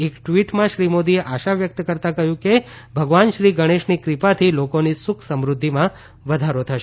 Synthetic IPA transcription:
ekʈʋiʈmãʃɾimod̪ieʔaʃaʋjək̚t̪kəɾt̪ãkəɦjũke | bʱəɡʋanʃɾiɡəɽ̃eʃnikɾipat̪ʰilokonisʊkʰsəmɾʊd̪ʱːimã | ʋəd̪ʱaɾot̪ʰəʃe

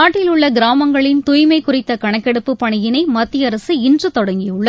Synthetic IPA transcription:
aːʈːɪlʊɭːɐɡɪɾaːmɐŋɡɐɭɪnt̪ʊjmɐɪkʊrɪt̪ːɐkɐɳɐkːɛɽɯpːɯpːɐɳɪjɪnɐɪmɐt̪ːɪjɐɾɐsɯɪndrɯt̪ɔɽɐŋɡɪjɯɭːɐ

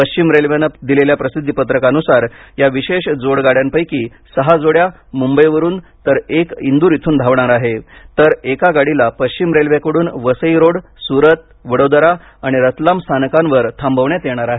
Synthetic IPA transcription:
əɕt͡ɕimɾelʋjanəd̪ileljapɾəsid̪ʱːipət̪ɾəkanusaɾjaʋiɕeɕd͡zoɽɡaɽjampəjkiː | səɦad͡zoɽja | mumbəjʋəɾuːnt̪əɾekind̪uːɾit̪ʰuːnd̪ʱaʋɳaɾaɦet̪əɾekaɡaɽilapəɕt͡ɕimɾelʋjakəɽuːnʋəsəiɾoɽsuɾət̪̚ | ʋəɽod̪əɾa | aɽ̃iɾət̪lamst̪ʰanəkãnʋəɾt̪ʰambəʋɳjat̪jeɳ̃aɾaɦe

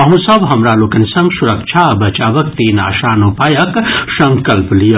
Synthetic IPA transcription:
ɐɦũsɐbɦɐmɾaːloːkɐnisɐ̃ŋɡsʊɾɐkʃʰabɐt͡ʃaːʋɐkt̪iːna̰ːʃaːnupaːjɐksɐ̃ŋkɐlplij

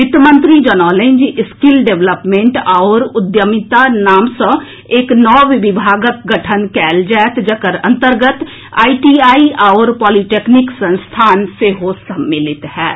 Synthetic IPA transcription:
ɪt̪əmə̃nt̪ɾid͡ʒɔnɔːlẽɲd͡ʒɪskɪlɖeʋləpmẽɳʈaɔɾʊd̪jəmɪt̪anaːmsə̃ | eːknɔːʋɪbɪbʱaːɡək̚ɡəʈʰənkɛːld͡ʒɛːt̪d͡ʒəkəɾə̰̃nt̪əɾɡət̪ | a̰ːiʈiaːiaːɾpɔːliʈeːknɪksə̃nst̪ʰaːnseɦosəmːɪlɪt̪hɛː

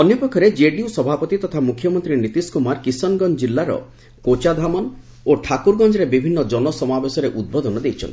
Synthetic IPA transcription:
ɔnjɔpɔkʰɔɾed͡ʒeɖiusɔbʱapɔt̪it̪ɔt̪ʰamukʰjɔmɔnt̪ɾinit̪iskumaɾkisɔnɡɔnd͡ʒilːaɾɔ̰ | kot͡ʃad̪ʱamɔn | oʈʰakuɾɡɔnd͡ʒɔɾebibʱinːɔd͡ʒɔnɔsɔmabesɔɾeʔud̪̚bod̪ɔnɔd̪ejt͡ʃʰɔ̰nt̪i

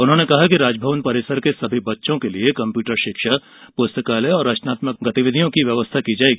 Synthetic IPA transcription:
ʊnɦõːnekɐɦakiɾaːd͡ʒbʱəʋənpɐɾɪsəɾkesɐbʱibɐtːʃõkeliekɐ̃mpjuːʈəɾʃɪkʃa | poːst̪əkaːleɔːɾːaːt͡ʃnaːt̪mək̚ɡɐt̪iʋɪd̪ʱijõkiʋjɐʋəst̪ʰakid͡ʒaːeɡi

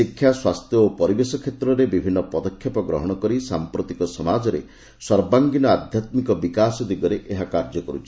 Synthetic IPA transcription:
ikʰːjaswast̪ʰjɔopɔɾibesɔkʰet̪ɾɔɾebibʱinːɔpɔd̪ɔkʰːjɔpɔɡɾɔɦɔɽ̃ɔkɔɾisampɾot̪ikɔsɔmad͡ʒɔɾḛ | swɔɾbaŋɡinɔad̪ʱjat̪mikɔbikasɔd̪iɡɔɾeʔeɦakaɾd͡ʒɔkɔɾut͡ʃʰi̥

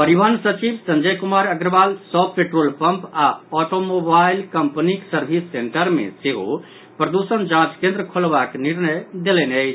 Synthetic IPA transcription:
pəɾibʱənsət͡ʃibsə̃nd͡ʒəjkumaɾəɡɾəbalsɔpeʈɾolpəmpaɔʈomobailkəmpəniksəɾbʱisːeɳʈəɾmḛseɦo̰ | pɾəd̪usənd͡ʒãt͡ʃkẽnd̪ɾəkʰolbakniɾnəjd̪elɛneəɪt͡ʃʰ

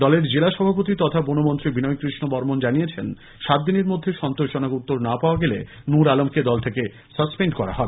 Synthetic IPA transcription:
d̪ɔleɾd͡ʑelaʃɔbʱap̬ot̪̬it̪ɔt̪ʰabonomont̪ɾibinɔjkɾiʃnobɔɾmond͡ʑanijet͡ɕʰen | ʃat̪̚d̪ineɾmod̪ʱːeʃɔnt̪oʃʃonakut̪ːoɾnapaoaɡelḛ | nuɾalomked̪ɔlt̪ʰeke | səspeɳɖkɔɾa̰ɦɔe

